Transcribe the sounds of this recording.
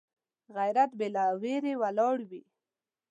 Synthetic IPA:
ɣajɾat̪belaweɾewalɑɽwi

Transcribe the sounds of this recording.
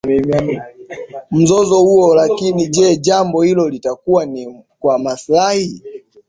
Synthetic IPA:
ɛma | m̩zɔzɔhuɔlakinid͡ʒɛʄambɔhilɔlitakuwanikwamaslahi

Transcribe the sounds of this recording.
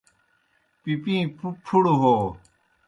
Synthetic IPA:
pipĩːpʰupʰuɽuɦoː

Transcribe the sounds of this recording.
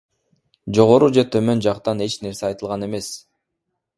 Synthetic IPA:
d͡ʒo̞ʁo̞ɾud͡ʒe̞t̪ʰø̞mø̞nd͡ʒɑqt̪ɑne̞t͡ʃne̞ɾse̞ɑjt̪ɯlˠʁɑne̞me̞s

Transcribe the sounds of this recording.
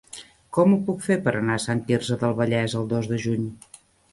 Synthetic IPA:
kɔmupukfepəɾənasant̪irzəðəlˠβəʎɛzəlˠd̪ozðəʒuɲ

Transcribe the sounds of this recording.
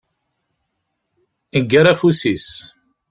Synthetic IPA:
əɡːaɾafusis

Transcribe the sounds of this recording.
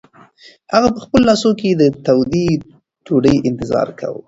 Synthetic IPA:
haɣapəxpəlolɑsoked̪ət̪awd̪i | tuɖəjɪnt̪ɪzɑ̰ɾkʰa̰w̰

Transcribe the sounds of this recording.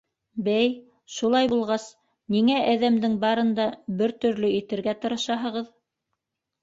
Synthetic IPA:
bæj | ʃulˠɑjbulˠʁɑs | niŋæʔæðæmd̪ɘŋbɑɾɤ̆nd̪ɑbɘɾt̪ɵ̆ɾlɵit̪ɘ̆ɾɡæt̪ɤ̆ɾɤ̆ʃɑɦɤ̆ʁɤð

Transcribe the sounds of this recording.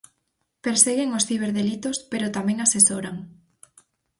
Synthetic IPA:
peɾseɣeŋosθiβ̞eɾðelit̪ospeɾot̪amẽŋasesoɾaŋ

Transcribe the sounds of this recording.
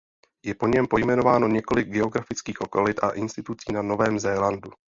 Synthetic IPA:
jɛpo̞ɲɛmpo̞jmɛno̞vaːno̞ɲɛko̞lɪɡ̚ɡɛo̞ɡɾafɪt͡skiːxʔo̞kolɪt̪ʔa̰ʔɪnst̪ɪt̪ut͡siːnano̞vɛːmzɛːlandu

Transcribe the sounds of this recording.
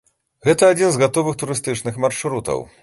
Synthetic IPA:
ɣɛt̪ɐːd͡zʲinzɣat̪ɔvɨxt̪uɾɨst̪ɨt͡ʂnɨxmarʂɾut̪ɐ̰w

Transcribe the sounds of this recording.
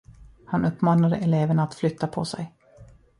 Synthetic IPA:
hanʔɵpːmɑːnad̪əʔɛleːvəɳaːt̪flʏt̪ʰːapʰɔ̰sɛ̰j

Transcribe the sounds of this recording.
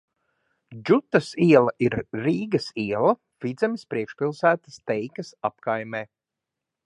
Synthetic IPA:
d͡ʒut̪ːɐsiɛlˠɐʔiɾːiːɡɐsiɛlˠɐ | fid̪zɛmispɾiɛkʃpilˠsæːt̪ə̥st̪ɛjkɐsapkajmeː

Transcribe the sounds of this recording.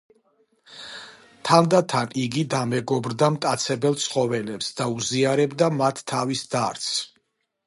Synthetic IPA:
t̪ʰand̪at̪ʰaniɡid̪amɛɡɔbɾd̪amt̪ʼat̪sʰɛbɛlˠt̪sʰχɔvɛlɛpsd̪̥auziaɾɛbd̪amat̪ʰːavisd̪aɾt̪sʰ

